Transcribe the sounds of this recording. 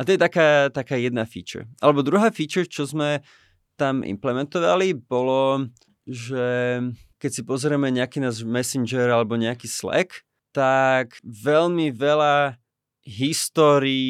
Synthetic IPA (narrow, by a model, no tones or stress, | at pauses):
at̪ɔjɛt̪akaːt̪akaːjɛd̪nafḭːt͡ʃɛ̰ɾʔa̰lɛbɔd̪ɾuɦaːfiːt͡ʃɛɾt͡ʃɔzmɛ | t̪amʔḭmplɛmɛnt̪ɔʋalibɔlɔ | ʒɛkɛcsipɔzɾɛmɛɲɛakiːnaːzmɛsind͡ʒɛɾalɛbɔɲɛakiːslɛ̰k | t̪akʋɛlmiʋɛla | ɦist̪ɔːɾiː